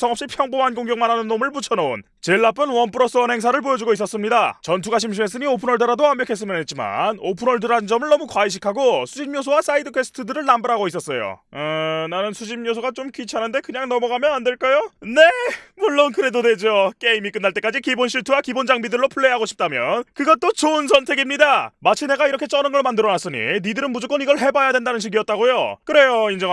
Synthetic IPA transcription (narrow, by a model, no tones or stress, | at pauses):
sʰʌŋʌpɕ͈ipʰjʌŋbomɦanɡoŋɡjʌŋmanɦanɯnːomɯɭput͡ɕʰʌnon | t͡ɕeɭːap͈ʰɯnwʌnpʰɯɾʌs͈ʰɯʌnɦe̞ŋsʰaɾɯɭp̬ojʌd͡ʑuɡois͈ʌs͈ɯmɲidat͡ɕʌntʰuɡaɕʰimɕʰime̞s͈ɯɲiopʰɯnʌɭdɯɾadoamjʌkʰe̞s͈ɯmjʌnet̚t͡ɕima̰nopʰɯnʌɭdɯɾaɯnd͡ʑʌmɯɭnʌmukwaiɕ̬ʰikʰaɡosʰud͡ʑimjos̬ʰowas͈aidɯkʰes͈ʰɯ̥tʰɯdɯɾɯɭnambaɾɦaɡois͈ʌs͈ʌjo̰ | nanɯnsʰud͡ʑʰimjosʰoɡat͡ɕomkit͡ɕʰanɯnde̞kɯɲaŋnʌmʌɡamjʌnande̞ɭk͈ajone̞muɭːonkɯɾe̞dode̞d͡ʑok͈e̞imik͈ɯnːaɭt͈e̞k͈ad͡ʑikibonɕʰiɭtʰuwakibond͡ʑaŋbidɯɭːopʰuɭːeɦaɡoɕʰip̚t͈amjʌnkɯɡʌt͈ot͡ɕoɯnsʰʌntʰe̞ɡimɲidamat͡ɕʰine̞ɡaiɾʌkʰe̞t͡ɕ͈ʌnɯnɡʌɭmandɯɾʌnas͈ɯɲḭnidɯɾɯnmud͡ʑok͈ʌniɡʌɭɦe̞bajadwendanɯnɕ̬ʰiɡiʌt̚t͈aɡojokɯɾe̞joind͡ʑʌŋ